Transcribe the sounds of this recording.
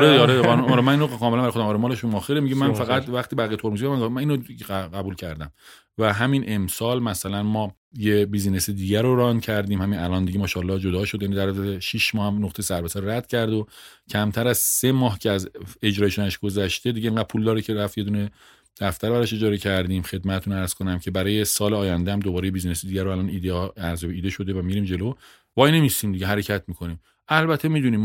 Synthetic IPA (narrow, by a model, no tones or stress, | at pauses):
ɒɾeːɾenumɒːɾemæninoɣekɒːmelæmbæɾjxoæmɒːɾemɒːleʃumɒxeɾemiɟemænfæɣæt̪væxt̪iːbæɣijet̪ʰoɾmuzimænzmæniːnoiɡæbuːlcʰæɾd̪æm | væɦæminʔe̞msɒːlmæsælænmɒː | jebizinesed̪iːɟæɾoɾɒnd̪cʰæɾd̪iːmhæminælɒːnd̪iɟemɒːʃɒlːɒːd͡ʒo̞d̪ɒːʃod̪jænid̪æɾd̪eʃiʃmɒːhæmnoχt̪ejsæɾbesæɾoɾæd̪̥cʰæɾd̪o | cʰæmt̪ʰæɾæz̥se̞mɒːɦcʰeæze̞d͡ʒɾɒːjeʃunæʃɡ̥o̞zæʃt̪ed̪iɟeeːŋɡæd̪̚pʰuld̪ɒːɾicʰeɾæft̪je̞d̪uːne̞ | d̪̥æft̪æɾbæɾɒʃe̞d͡ʒɒːɾe̞cʰæɾd̪iːmxe̞d̪mæt̪et̪ʰunæɾz̥kʰo̞næmcʰe̞bæɾɒːje̞sɒːleɒːjænd̪ehæmd̪obɒːɾejebizinesed̪iɟæɾoælɒnid̪æɾzobeiːd̪eʃo̞d̪e̞væmiɾiːmd͡ʒe̞lo | vɒjne̞mist̪iːmd̪iɡɟeɦæɾecʰæt̪ʰmiːkʰo̞niːm | ʔælbæt̪ʰemiːd̪uniːm